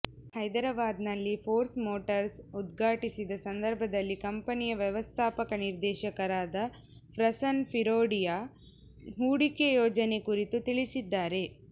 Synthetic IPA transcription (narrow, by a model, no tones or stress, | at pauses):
hɐjd̪ɐɾɐʋaːd̪nɐlːipʰoːɾsmoːʈɐɾsud̪ɡʱaːʈisid̪ɐsɐnd̪ɐɾbʱɐd̪ɐlːikɐmpɐnijɐʋjɛʋɐst̪ʰaːpɐkɐniɾd̪ɛːʃɐkɐɾaːd̪ɐ | pʰɾɐsɐnpʰiɾoːɖija | ɦuːɽikejoːd͡ʒɐne̞kuɾit̪ut̪iɭisid̪ːaːɾe̞